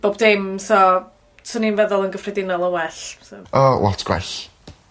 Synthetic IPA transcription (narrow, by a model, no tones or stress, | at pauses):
b̥oːbdɪmsɔ | sʰɔninvɛðɔlˠənɡəfrɛdɪnɔlˠɔwɛɬsɔʔɔwɔ̰tʰɡ̥wɛ̰ɬ